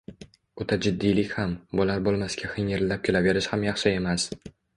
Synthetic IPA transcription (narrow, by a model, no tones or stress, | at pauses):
ot̪ʰad͡ʒɪd̪ːijlɪkʲhambʊlaɾbolˠmaskʲʰahɪŋɪɾlap̚kʲʰolave̞ɾɪʃhamjɑχʃɪe̞mas